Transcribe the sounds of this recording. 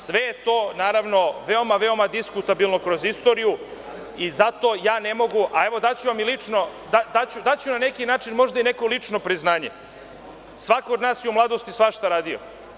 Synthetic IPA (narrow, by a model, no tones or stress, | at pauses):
sʋe̞jet̪o̞ːnaːɾaʋno̞ʋe̞o̞maʋeo̞mad̪iskut̪abilˠnokɾo̞zist̪o̞ːɾiju | izat̪o̞jaːnemo̞ɡuʔaeʋo̞d̪at͡ɕuʋamilit͡ʂnod̪ad̪at͡ɕud̪at͡ɕunane̞kinaːt͡ʃinmo̞ʒd̪aineko̞lˠit͡ʂnopɾiznaːɲe | sʋakood̪naːsjeumlˠaːd̪ost̪isʋaʃt̪aɾaːd̪io̰